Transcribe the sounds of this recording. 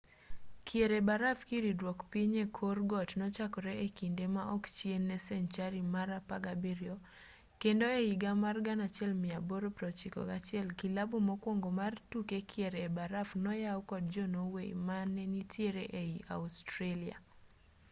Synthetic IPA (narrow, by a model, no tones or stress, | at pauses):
kʰjeɾebaɾafkiɾidwɔkpiɲekʰorɡɔtnɔt͡ʃakɔɾɛekindemaʔɔkt͡ʃjenːɛsɛnt͡ʃaɾimaɾapaɡabeɾio | kendoeiɡamarɡanat͡ʃɪɛlmɪaboɾopɾɔt͡ʃikɔ̰ɡat͡ʃɪɛlkilabomɔkwɔŋɡomartukekʰjeɾeːbaɾafnɔjaɔkɔd̚d͡ʒɔnowḛmanɛnitjeɾeʔeiʔa̰ustɾalia̰